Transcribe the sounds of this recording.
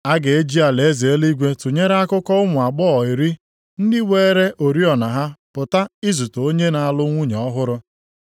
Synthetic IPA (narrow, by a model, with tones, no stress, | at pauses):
a˦ɡe˨e˦d͡ʒi˦a˨le˨e˦ze˨e˦li˦ɡʷe˦tu˨ɲe˦ɾa˦kʊ˦kɔ˦ʊ˦mʊ˨a˨k͡pɔ˦˨i˨ɾi˦ | n̩˦dɪ˦we˦ɾe˦ʔo˨ɾi˦ɔ˨na˨ɦa˦pʊ˨ta˦ɪ˦zu˨to˨o˦ɲe˦na˨a˨lʊ˦ŋʷu˦ɲ˨ɔ˦ɦʊ˦ɾʊ˦